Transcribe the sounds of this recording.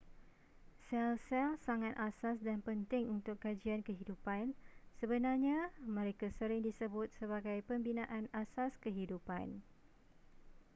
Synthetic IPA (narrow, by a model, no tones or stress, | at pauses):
sɛlsɛlsaŋat̪asasdanpənt̪ɪŋunt̪ʊkːad͡ʒiankəɦidupansəbənarɲãmə̃ɾekasəɾɪŋdisəbʊt̪̚səβaɡajpəmbinãʔanasaskəɦidupa̰n